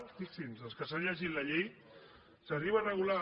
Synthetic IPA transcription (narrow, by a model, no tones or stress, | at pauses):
t̪isimzəlˠskəsanʎəʒit̪laʎej | sariβərəɣula